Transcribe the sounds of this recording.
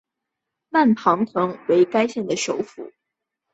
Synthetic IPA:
ma˥˩npʰɑ˧˥ŋt̪ʰɤ˧˥ŋwe˧˥ɪka˥ɪɕjɛ˥˩nd̪ə˩ʂo˧˥ʊfṵ˨˩˦

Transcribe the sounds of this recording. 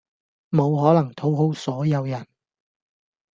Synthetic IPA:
mo˨˧wɦɔː˨˥lɐ˨˩ŋt̪ʰo˨˥wɦo˥wsɔː˨˥jɐ˨˧wjɐ˨˩n

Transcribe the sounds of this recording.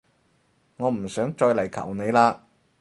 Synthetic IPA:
ŋɔː˨˧m̩˨˩sœː˨˥ŋt͡ʃɔː˧jlɐ˨˩jkʰɐ̰˨˩wne˨˧jlaː˧

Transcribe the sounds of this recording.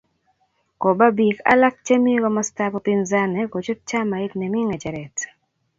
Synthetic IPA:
ko˨ba˦bi˨ka̰˦la˦k̚t͡ʃɛ˦mi˦ɡɔ˦mɔ˦sta˦pɔ˨pi˦nza˦nɛ˨ko˨t͡ʃʊ˦t̚t͡ʃa˦ma˨ɪ˦tnɛ˨mi˦ŋɛ˨d͡ʒɛ˨ɾɛ˨t

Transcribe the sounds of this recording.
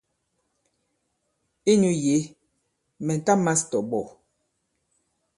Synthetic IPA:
i˦nɲu˦je˨˦ | mɛ˨n̩˨ta˦ma˦stɔ˨bɔ˨

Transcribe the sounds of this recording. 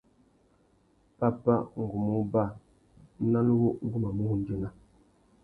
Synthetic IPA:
pa˦pa˦˨ʔŋ̩˨ɡu˨mu˦ba˦˨˦ | na˦lwu˦ʔŋ̩˦ɡu˦ma˨mu˦˨n̩˦d͡ʒi˦˨na˦

